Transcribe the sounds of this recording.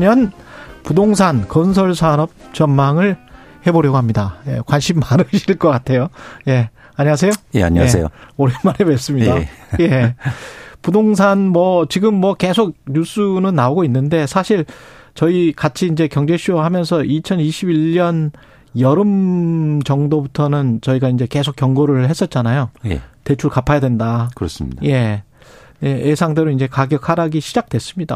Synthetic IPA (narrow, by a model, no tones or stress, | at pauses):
mjʌnpudoŋs̬ʰankʌnsʰʌɭsʰaɾʌp̚t͡ɕʌnmaŋɯɭhe̞boɾjʌɡoɦamɲidajḛkwanɕʰimːaɾɯɕʰiɭk͈ʌk͈atʰe̞joje̞ | aɲiŋas̬ʰe̞jojḛa̰ɲeḛjo̰oɾemaɾɦebes͈ɯmɲidaje̞ | pudoŋs̬ʰanmwʌt͡ɕiɡɯmːwʌke̞sʰok̚ɲus͈unɯnːaoɡoinːɯnde̞sʰaɕʰiɭ | t͡ɕʌikat͡ɕʰiːnd͡ʑe̞kjʌŋd͡ʑe̞ɕʰijoɦamjʌnsʰʌʔit͡ɕʰʌniɕʰibiʎːʌn | jʌɾɯmt͡ɕʌŋdobutʰʌnɯnt͡ɕʌiɡaind͡ʑe̞ke̞sʰokjʌŋɡoɾɯɭhe̞s͈ʌt̚t͡ɕ͈anajoḛte̞t͡ɕʰuɭkapʰajadwe̞ndakɾsje̞ | jeʔːsʰaŋde̞ɾoind͡ʑe̞kaɡjʌkʰaɾaɡiɕʰid͡ʑak̚twe̞s͈ɯmɲida̰